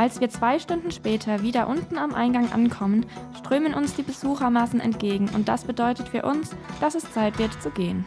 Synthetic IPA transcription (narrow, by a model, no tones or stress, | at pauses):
ʔalsv̥iːɐt͡sv̥aɪʃtʊndn̩ʃpɛːtʰɐviːdɐʔʊntn̩amʔa̰ɪnɡaŋʔa̰nkʰɔmənʃtʁ̥øːmənʔʊnsd̥iːbəzuːxɐmaːsn̩ɛ̰ntɡ̥eːɡŋ̩ʊ̰nt̚d̥a̰sb̥ədɔʏtətfyːɐʔʊnsd̥asɛst͡saɪtv̥ɪɐtt͡suɡeːən